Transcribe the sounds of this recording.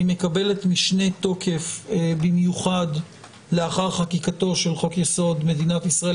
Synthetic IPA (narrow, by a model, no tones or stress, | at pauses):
imekabe̞le̞tmiʃne̞to̞kʰe̞fbimjuχad | le̞aχaʁχakikato̞ʃe̞lχo̞kjeso̞dme̞d̪inatisʁae